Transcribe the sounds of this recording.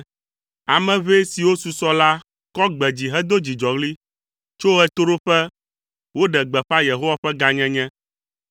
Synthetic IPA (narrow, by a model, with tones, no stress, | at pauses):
a˨mɛ̃˨βe˦si˨wo˦su˨sɔ˦la˦ | kɔ˦ɡ͡bɛ˨d͡ʑi˨ɦɛ˦d̪o˦d͡ʑi˨d͡ʒɔ˨ɣli˦ | t͡ʃo˦ɛ˦t̪o˦ɾo˦ɸɛ˦ | wo˦ɖɛ˨ɡ͡bɛ˨ɸa˦je˨ɦo˦wa˦ɸɛ˦ɡa˨ɲɛ̃˦ɲɛ̃˦